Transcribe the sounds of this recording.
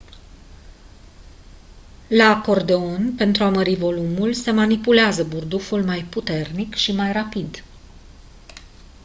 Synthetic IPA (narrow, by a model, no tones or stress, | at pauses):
lako̞rd̪e̞onpe̞nt̪ɾuaməɾivo̞lumulse̞manipuleazəburd̪ufulmajput̪e̞rnikʃimajrapid̪